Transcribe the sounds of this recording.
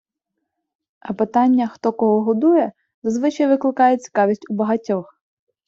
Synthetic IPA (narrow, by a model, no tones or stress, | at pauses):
ɐpɪt̪ɑnʲːɐxt̪ɔkɔɦɔɦɔd̪ujɛ | zɐzʋɪt͡ʃɐjʋɪklˠɪkɑjet͡sʲi̥kɑʋʲisʲtʲubɐɦɐtʲɔx